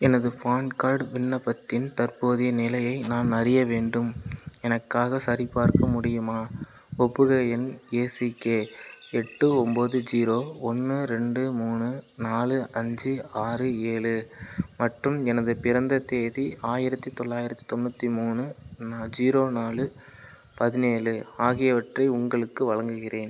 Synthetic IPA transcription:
ɛnɐðɯfaːɳkaːɾɖʋɪɳːɐpːɐt̪ːɪnt̪ɐrpoːðɪjɐnɪlɐjɐɪnaːnɐɾɪjɐʋeːɳɖɯmɛnɐkːaːɣɐsɐɾipaːɾkɐmʊɽɪjɯmaː | ɔpːɯɣɐɛneːsɪkːeː | ɛʈːɯɔmboːðɯd͡ʒiːɾoːɔnːɯɾɛɳɖɯmuːnɯnaːlɯʔɐɲd͡ʒɯaːrɯeːɭɯmɐʈrɯmɛnɐðɯpɪɾɐnd̪ɐt̪eːðiaːjɪɾɐt̪ːit̪ɔɭːaːjɪɾɐt̪ːi̥t̪ɔnbɐt̪ːimuːnɯnaːd͡ʒiːɾoːnaːlɯ | pɐðɪneːlɯaːɣɪjɐʋɐʈrɐɪʊŋɡɐɭɯkːɯʋɐɭɐŋɡɯɣɪreːn

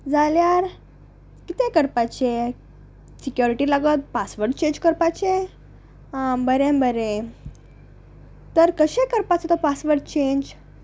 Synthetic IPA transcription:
d͡zaljaɾ | kit̪ẽkəɾpat͡ɕe | sikjuɾiʈilaɡət̪̚pasʋəɾʈ̚t͡ɕẽɲd͡ʑkəɾpat͡ɕe | bəɾẽbəɾẽ | t̪əɾkəɕekəɾpat͡set̪ɔpasʋəɾʈt͡ɕẽɲd͡ʑ

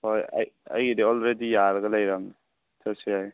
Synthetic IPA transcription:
hoja̰ja̰jdeɔlɾedijaɾɐɡɐlajɾaŋni | tʰasijaj

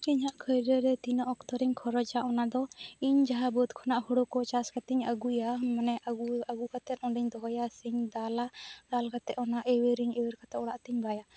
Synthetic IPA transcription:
kiɲɦaʔkʰəjɾɛɾɛt̪inɔʔɔkt̪ɔɾiɲkʰɔɾɔd͡ʒaʔɔnad̪ɔiɲd͡ʒaɦabɔt̪kʰɔnaʔhɔɽokɔt͡ʃaskat̪iɲəɡujamanɛʔaɡuaɡukat̪ɛt̪̚ɔɳɖiɲd̪ɔɦɔjasiɲd̪alad̪alkat̪ɛʔɔnaʔɛweɾiɲɛwɛɾkat̪ɛʔɔɽaʔt̪iɲbaja

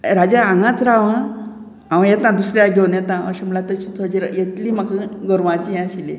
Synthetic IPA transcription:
ɾad͡ʑaaŋɡãt͡sɾaʋã | ãʋə̃jet̪ãd̪usɾjaɡʱewnjɛt̪ãə̰ɕamlat̪əɾt͡ɕit̪ʰəd͡ʑiɾjet̪liːmakaɡəɾʋãt͡ɕijãɕile

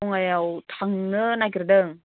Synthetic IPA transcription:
ɔŋajawtʰaŋnɯnakiɾɯdɯŋ

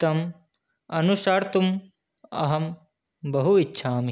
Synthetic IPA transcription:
t̪ɐm | ɐnusaːɾt̪um | ɐ̰ɦɐm | bɐɦuitːʃʰaːm

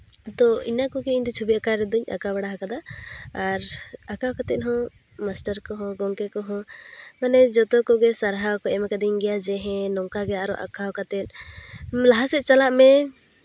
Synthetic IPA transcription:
t̪ɔinakɔɡɛiɲd̪ɔt͡ʃʰubiakaɾɛd̪uɲa̰kabaɽaɦakad̪aaɾakakat̪ɛt̪̚ˀɦɔ̃ | masʈaɾkɔɦɔ̃ɡɔŋkɛkɔɦɔ̃manɛd͡ʒɔt̪ɔkɔɡɛsaɾɦakɔɛmɛkad̪iɲɡɛjad͡ʒɛɦɛ̃nɔŋkaɡɛaɾɔʔa̰kaɔkat̪ɛt̪̚ˀ | laɦasɛʔt͡ʃalaʔmɛ

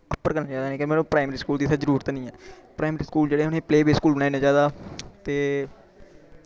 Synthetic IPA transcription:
əpːəɾkəɾnaːd͡ʒaːd̪aːnẽːkẽmeːnõːpɾaːɪmɾiːskuːld̪iːsʰaːzəɾuːɾət̪nĩːɛːpɾʔaːɪmɾiːskuːld͡ʒeːɽeːɦʊnẽːpleːbeːskuːlbənaːiːnãːd͡ʒaːd̪aːt̪eː

